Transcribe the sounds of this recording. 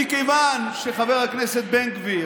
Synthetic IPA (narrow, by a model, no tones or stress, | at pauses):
ikejvanʃeχaveʁhakneset̪̚beŋkvi